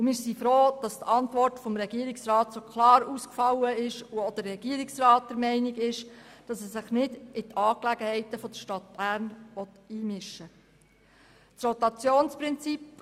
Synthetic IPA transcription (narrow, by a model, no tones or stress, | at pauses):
umɪɾsifɾoːd̥ɑst̪ɑntʋɔrtfɔmɾɛɡ̥iːəɾiksrɑːt̪sokχlɑːɾuːskfɑləɪʃuɔd̥̪ərːɛɡ̥iəɾiksrɑːt̚d̥̪ɛɾmɛɪniɡɪʃd̥ɑsɛssɪχnɪdɪt̪ʰɑːklæɡəhɛɪt̪əfɔdəʃtɑtb̥æːɾnʋɔt̪ | iːmɪʃːə | t͡srɔt̪ɑt͡sjoːnspɾɪnt͡sip